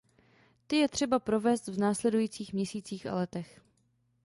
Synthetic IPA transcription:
t̪ɪjɛt̪r̥ɛbapɾo̞vɛːst̪vnaːslɛdujiːt͡siːxmɲɛsiːt͡siːxa̰lɛt̪ɛx

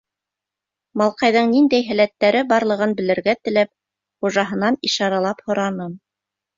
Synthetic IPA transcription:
mɑlˠqɑjðɤɴnind̪æjɦæ̆læt̪ːæɾɘbɑɾlˠɤ̆ʁɤnbɘ̆lɘ̆ɾɡæt̪ɘ̆læp̚ | χuʒɑɦɤ̆nɑniʃɑɾɑlˠɑphŏɾɑnɤm

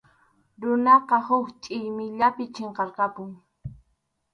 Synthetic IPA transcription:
ɾʊnɑqɑhʊkt͡ʃʼɪjmɪʎapɪt͡ʃeɴqɑɾqɑpʊŋ

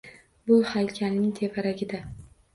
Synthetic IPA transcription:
bʊhajkʲʰalnɪŋt̪ʰe̞vaɾaɡʲɪd̪a

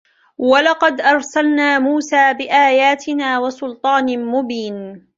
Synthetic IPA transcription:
walɑqɑd̪ʔɑɾˤsalnaːmuːsaːbɪʔaːjaːt̪ʰɪnaːwɑsʊlt̪ˤɑːnmʊbiːn

